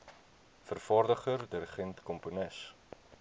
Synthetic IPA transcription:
fərfɑːrdəχərdiɾəχɛntkɔmponəs

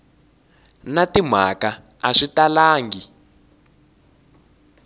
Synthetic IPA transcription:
natim̤a̰ka | aʂitalaːŋɡi

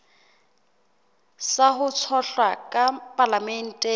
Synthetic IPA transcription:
sahʊt͡sʰɔɬwakʼapʼalamɛn̩ːtʼɛ

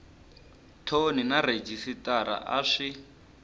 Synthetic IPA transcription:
tʰoninaɾed͡ʒisitʼaɾa̰ʔaʂi

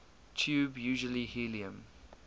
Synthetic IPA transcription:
t͡ʃʰuːbjuːʒəlihiliə̃m

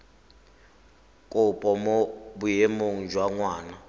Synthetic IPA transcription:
kʼʊpʼɔmobujemoŋ̩d͡ʒʱwaŋwaːna

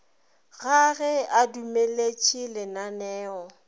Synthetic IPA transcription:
ɣaɣɛadumelet͡ʃʼilɪnanɛːɔ

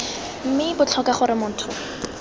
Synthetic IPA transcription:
m̩mɪbʊt͡ɬʰɔkaχʊɾɪmʊːn̩tʰʊ

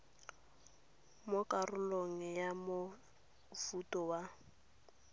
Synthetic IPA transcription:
mokʼarʊloŋ̩jamo | futʼɔwa

